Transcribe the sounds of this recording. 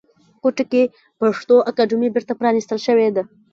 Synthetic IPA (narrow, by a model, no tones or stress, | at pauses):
koʈake | paʂt̪oʔakaɖʊmibɪɾt̪apɾɑnist̪əlʃəwed̪a